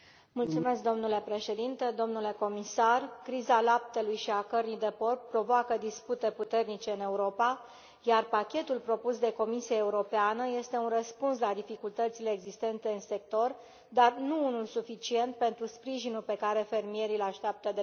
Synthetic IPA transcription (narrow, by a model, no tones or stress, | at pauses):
mult̪sume̞sk̚d̪o̞mnule̞pɾe̞ʃe̞d̪int̪ed̪o̞mnule̞ko̞misarkɾizalap̚t̪e̞lujʃiakərnid̪e̞po̞rppːɾo̞voakəd̪isput̪e̞put̪e̞rnit͡ʃe̞ɨne̞uɾo̞pa | jarpakʲe̞t̪ulpɾo̞pusd̪e̞ko̞misiaeuɾo̞peanəje̞st̪e̞unrəspunslad̪ifikult̪ət̪sile̞ːɡzist̪e̞nt̪e̞ɨnse̞k̚t̪o̞r | d̪arnuunulsufit͡ʃie̞nt̪̚pe̞nt̪ɾuspɾiʒinulpe̞kaɾe̞fe̞rmije̞ɾilaʃt̪eap̚t̪əd̪e